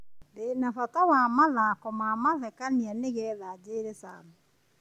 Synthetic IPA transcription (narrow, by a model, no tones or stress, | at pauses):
denafatawamaðakɔmamaðɛkanianeɣɛːðad͡ʑeːɾesa̰mɔ